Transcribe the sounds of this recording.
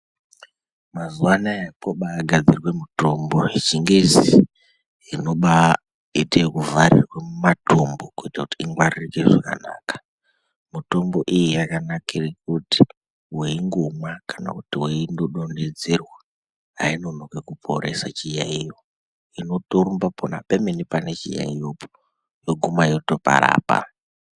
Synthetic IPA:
mazuwanajakoɓaːɡʱad͡zirwe̞muto̞mbo̞it͡ʃiŋɡezi | ino̞ɓa | etekuvaɾḭrwemumatʰombo̞kuitakutiiŋɡwaririkeʐaka̰na̰ːkḁ | mito̞mbo̞ʔijijakanakirek̚uti̥ | weiŋɡomwakana̰kutiweindoɗonded͡zerwa | a̰ino̞nokekupʰo̞ɾe̞sat͡ʃijaijo | ino̞toɾumbapona̰pemenipane̞t͡ʃḭja̰ijopo̥ | joɡʱumainoto̞pa̰ɾa̰ːpa̰

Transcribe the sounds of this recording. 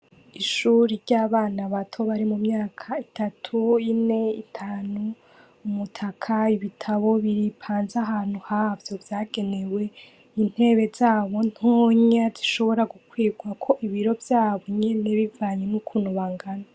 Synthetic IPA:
iʃuːɾiɾɟaːβaːnaβatʰo̞βaɾimumɲaːkʰaitatʰuine̞itʰaːnuː | mutʰakʰaiβitʰaβo̞βiɾipʰaːnzaɦaːn̥huhaːvjo̞vjaːɡe̞ne̞we̞ | in̥he̞βe̞zaːβo̞n̥oɲaziʃo̞βo̞ɾaɡukwiːɡwakʰo̞ʔiβiɾo̞vjaːβo̞ɲene̞βivaːɲenukʰunuβaːŋɡana

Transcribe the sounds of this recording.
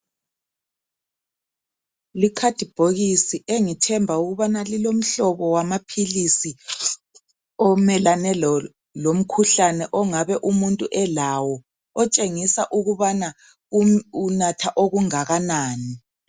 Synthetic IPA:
likʰad̥ʱib̥ʱoɣisiʔeŋitʰɛmbʱauɣuβanalilom̩ɬɔβɔwamapʰilisi | ɔmɛlanɛlɔ | lom̩kʰuɬanɛʔɔŋaβɛʔumuntʼuʔɛlaːwɔ | ɔt͡ʃʼeŋisaʔuɣuβana | uunatʰaʔoɣuŋaɣanaːni

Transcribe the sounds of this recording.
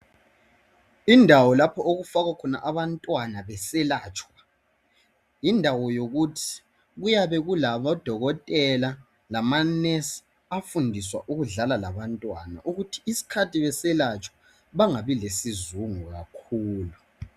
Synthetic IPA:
indʱawɔlapʰɔoɣufaɣakʰɔna̰ʔaβantʼwanaβɛsɛlaːt͡ʃʼwa | indʱawɔjoɣutʰi̥ | ɣujaβɛɣulaβɔd̥ʱɔɣɔtʼɛla | lamanɛs | afundʱiswa̰ʔuɣuɮalalaβantʼwana̰ʔuɣutʰi̥ːsi̥kʰatʰiβɛsɛlat͡ʃʼwḁ | βaŋaβilesizuŋuɣakʰuːlu

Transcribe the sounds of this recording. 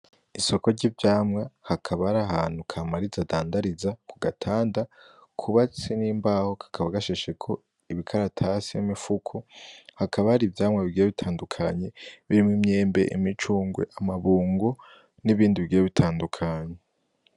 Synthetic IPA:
iso̞ko̞ɾɟivjaːmŋahakʰaβaɾaɦaːn̥hukʰaːmaɾizadaːndaɾizakuɡatʰaːnda | kʰuβat͡seniːmbaːho̞kʰḁkʰaβaɡaʃeʃekʰo̞ | iβikʰaɾatʰasiimifukʰohakʰaβahaɾivjaːmŋaβiɡiːjeβitʰaːndukʰaɲe̞βiɾimŋimɲe̞ːmbe̞̰ʔḭmit͡ʃuːŋɡwe̞̰ʔamaβuːŋɡo | niβiːndiβiɡiːjeβitʰaːndukʰaɲe

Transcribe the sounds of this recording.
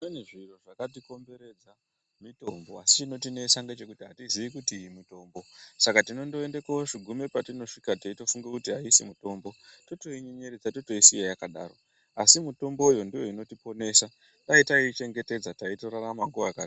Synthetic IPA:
eneʐiroʐakat̬iko̞mbe̞ɾe̞d͡za | mito̞mbo̞asit͡ʃino̞t̬ine̞saŋɡet͡ʃe̞kutiɦatiziʋikutiːimito̞ːmbo̞sakatino̞ndo̞endekooʐiɡʱume̞patino̞ʂikateito̞fuŋɡekutiɦaisimuto̞ːmbo̞to̞to̞iɲeɲeɾed͡zatoto̞isijejakaɗa̰ːro̞ | asimuto̞mbo̞ujondijo̞ino̞tipo̞ne̞sa | taitait͡ʃe̞ŋɡe̞te̞d͡zataitoɾaɾamaŋɡuʋakaːti

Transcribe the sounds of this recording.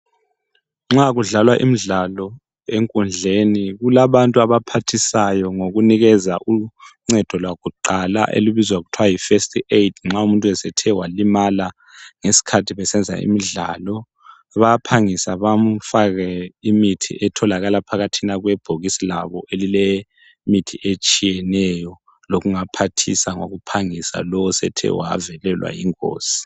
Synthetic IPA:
ŋ͡ǁaɣuɮalwaʔḭmiɮalɔ | eŋkʼund͡ɮʱeniɣulaβantʼuaβapʰatʰisajɔŋoɣuniɣɛzaʔuŋ͡ǀɛd̥ʱɔlwaɣuǃala̰ʔḛluβizwaɣutʰwajifestʰʼiedʰŋ͡ǁaumuntʼuɛsɛtʰɛwalimala | ŋesi̥kʰatʰiβɛsɛnd͡zʱa̰ḭmiɮa̰lɔ | βapʰaŋisaβam̩faɣɛimitʰḭʔɛtʰɔlaɣalapʰaɣatʰinaɣwɛb̥ʱoɣisilaβɔʔelilɛ | mitʰiʔet͡ʃʼijɛnɛjɔ | loɣuŋapʰatʰisaŋoɣupʰaŋisa̰lɔwɔsɛ̰tʰɛ̰wa̰ːvɛlɛlwa̰jḭŋʼo̰ːsi̥

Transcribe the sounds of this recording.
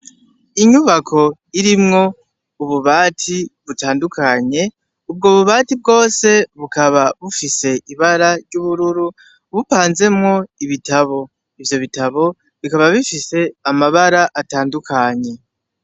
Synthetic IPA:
iɲuβakʰo̞ | iɾimŋo̞ | uβuβaːtʰiβutaːndukʰaɲe̞ | ubɡo̞ːβuβaːtib̚ɡo̞ːse̞βukaβaβufise̞iβaɾaɾɟuβuɾuɾu | βupaːnze̞mŋo̞iβitaβo̞ | ivjo̞βitaβo̞ | βikaβaβifise̞amaβaɾaʔataːndukʰaɲe̞

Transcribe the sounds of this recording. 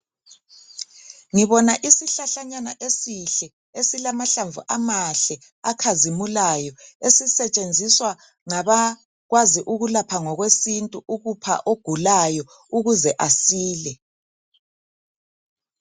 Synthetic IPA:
ŋiβɔnaʔisiɬaɬaɲanaʔesiɬɛ | esilamaɬaɱvṵʔamaɬɛ | akʰazimulajɔesisɛt͡ʃʼend͡zʱiswa | ŋaβa | ɣwaziʔuɣulapʰaŋɔɣwesintʼuʔuɣupʰa̰ʔoɡ̥ʱulajɔ | uɣuzɛʔasiːlɛ

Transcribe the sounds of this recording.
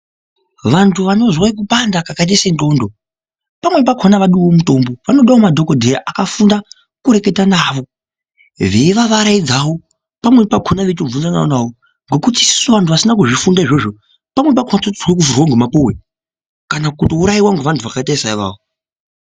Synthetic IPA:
ʋantʰuʋano̞zwaik̬upandakakait̬esendo̞ndo̞ | pamwe̞p̬akʰonaʋaɗuwo̞muto̞mboʋano̞ɗaomadʱo̞kodʱeɾaʔakafunda | kuɾe̞ke̞tanaːʋo̞ | ʋe̞ʋaʋaɾaid͡zawo̞ | pamwe̞pakʰonaʋetovunzanaonawo | ŋɡo̞kutisi̥suʋantuʋasinak̬uʐifundaiʐo̞ʐo | pamwe̞p̬akʰonat͡sotiwek̬ufurwaŋɡomapuwe | kanakutouɾaiwaŋɡuʋantʰuʋakataisaiʋa̰ːo

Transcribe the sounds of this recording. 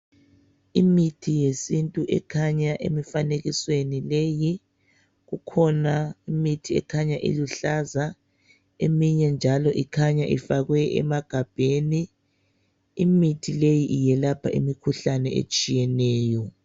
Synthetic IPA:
imitʰijesintʼuʔɛ̰kʰaɲaʔḛmifaneɣiswenileji | ɣukʰɔnaimitʰiɛ̰kʰaɲaʔḭluɬaza | emiɲɛnd͡ʒʱalɔʔikʰaɲaʔḭfaɣwɛɛ̰maɡ̥ʱab̥ʱeːni | mitʰilejiʔijɛlapʰaʔimikʰuɬanɛḛt͡ʃʼijɛnɛːjɔ

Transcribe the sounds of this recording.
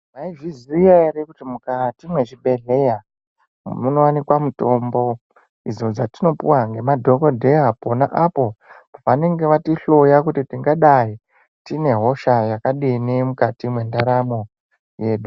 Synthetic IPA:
maivizieɾekutimukatimwe̞ʐiɓe̞ɮe̞ja | muno̞wanikwamuto̞mbo̞ | id͡zo̞d͡zatino̞puwaŋɡe̞madʱo̞kodʱe̞ɦapona̰ʔapo̞paʋane̞ŋɡe̞ʋatiɬojakutitiŋɡaɗai | tine̞ɦo̞ʃajakaɗine̞mukatimwe̞ndaɾamo̞ | je̞ːɗu

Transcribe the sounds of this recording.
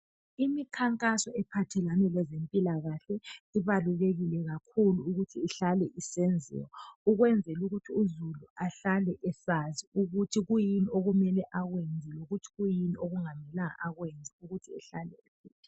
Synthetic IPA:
imikʰaŋkʼasɔɛpʰatʰɛlanɛlɛzempʼilaɣaɬɛliβaluleɣilɛɣakʰuluːɣutʰiːɬalɛʔisɛnd͡zʱɛ̰wɔuɣwɛnd͡zʱɛluɣutʰiuzuluaɬalɛʔɛsaziuɣutʰiɣujinioɣumɛlɛʔaɣwend͡zʱiloɣutʰi̥ɣujiniʔoɣuŋamɛlaŋa̰ʔaɣwend͡zʱiuɣutʰiɛɬalɛ̰esiːtʰi̥

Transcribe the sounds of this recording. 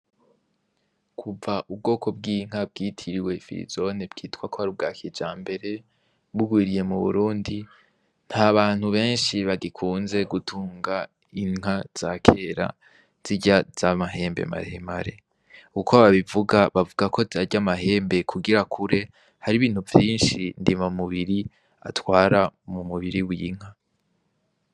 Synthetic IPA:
kʰuvaʔub̚ɡo̞ːko̞bɡiːŋ̥ab̚ɡiːtʰiɾiwe̞fḭɾḭzo̞nebɡḭːtkwakʰo̞haɾib̚ɡaːkʰid͡ʒaːmbe̞ɾe̞ | βuɡwiːɾije̞muβṵɾuːndi | n̥haβaːn̥huβe̞ːnʃiβaɡikʰuːnze̞ɡutʰuːŋɡa | iŋ̥az̥akʰe̞ɾa̰ | z̥iɟaz̥amaɦe̞ːmbḛma̰ɾeemaɾe̞̰ | ukoβaβivuɡaβavuɡakʰo̞zaɾɟamaɦe̞ːmbe̞kʰuɡiɾakʰuɾe̞ | haɾiβiːn̥huvjiːnʃindimamuβiɾi | a̰twaːɾamumuβiɾiwiiŋ̥ha

